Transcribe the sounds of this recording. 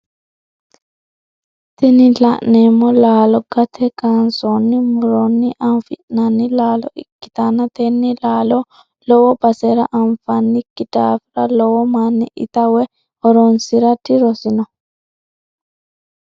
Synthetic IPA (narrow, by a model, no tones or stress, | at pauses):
t̪ɪnɪlɐ̰ʔneːmːɔlaːlɔɡɐt̪ʰɛkansɔnːɪmʊɾɔnːɪʔɐmfɪʔnɐnːɪlaːlɔ̰ʔɪ̰kːɪ̥t̪anɐt̪ɛnːɪlaːlɔ | lɔwɔbɐsɛɾɐʔɐnfɐnːɪkːɪd̪̥aːfɪɾɐlɔwɔmanːɪʔɪ̰t̪ɐwɛ | ɔɾɔnsɪɾɐd̪ɪɾɔsɪnɔ